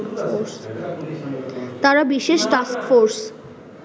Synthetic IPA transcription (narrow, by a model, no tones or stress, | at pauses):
oɾs | t̪aɾabiʃeʃʈaskfoɾs